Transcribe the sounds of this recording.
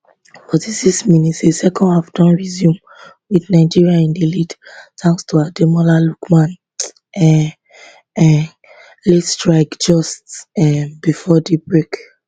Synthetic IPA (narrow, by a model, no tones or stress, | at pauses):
b̥ɔdisisminisesɛkʰɔ̃ndhavdɔ̃nɹizjũm | widnaɪd͡ʒiɹiaĩndilidtʰãŋkstuademɔlalukmãn | ɛ | ɛ | lɛtstɹaɪkd͡ʒɔstɛbifɔdibɹek